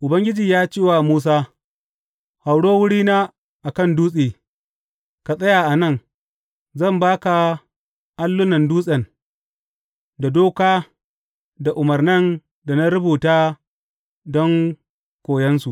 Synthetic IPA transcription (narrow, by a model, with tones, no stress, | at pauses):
ʔʊ˨bɐ˦ŋɡʲɪ˦d͡ʒiː˨jaː˦t͡ʃeː˦waː˨muː˦s̬aː˦ | ha˨wɽoː˦wʊ˦ɽiː˦naː˦ | ʔa˨kɐ˦˨nduː˦sʼeː˨ | ka˨sʼɐ˦ja˨ʔa˨nɐ˦˨ŋ | zɐ˦˨mbaː˦ka˨ | ʔa˦lːʊ˦nɐ˨nduː˦sʼɐ˨n | da˨doː˦kaː˦ | da˨ʔʊ˨mɐ˨rnɐ˦n | da˨na˦ɾʊ˦buː˨taː˦ | dɔ˦ŋ | kʷoː˨jɛ˦nsu˨ʔ